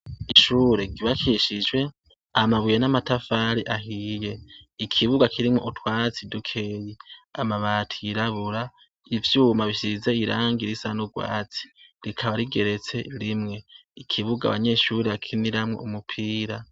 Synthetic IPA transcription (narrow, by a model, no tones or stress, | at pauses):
iʃuːɾe̞ɡiβakiʃid͡ʒwe̞ | amaβujenamatafaɾiʔaɦije̞ikʰiβuɡakʰiɾimŋoʔutʰwaːt͡sidukʰe̞jiamaβaːtʰiiɾaβuɾa | ivjuːmaβiʃize̞iɾaːŋɡiɾisanuɡwa̰ːt͡si̥ɾikʰaβaɾiɡe̞ɾe̞t͡se̞ɾimŋe̞ikʰiβuɡa̰βa̰ɲe̞ʃuɾeβakʰiniɾamŋo̰umupʰiːɾa